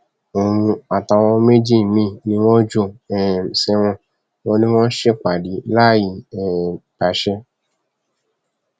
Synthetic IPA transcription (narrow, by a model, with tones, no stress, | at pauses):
o˨ɾũ˧a˨ta˧w̃ɔ̃˧˦me˦d͡ʒi˦˨mĩ˧˨nĩ˧˦w̃ɔ̃˦d͡ʒo˧˨ɛ̃˨sɛ˧w̃ɔ̃˧ | wɔ̃˧nĩ˦w̃ɔ̃˦n̩˦ʃe˦k͡pa˨di˨˦la˦ji˨ɛ̃˨pa˨˦ʃɛ˧